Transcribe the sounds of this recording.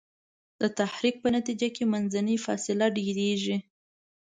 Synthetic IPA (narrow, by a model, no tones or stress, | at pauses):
d̪̥ət̪ahɾik̚pənat̪id͡ʒakemanzanifɑ̰sɪlaɖeɾeʒi